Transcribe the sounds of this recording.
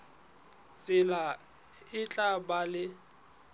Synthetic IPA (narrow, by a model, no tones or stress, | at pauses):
t͡sʼɪla | ɪt͡ɬʼabalɪ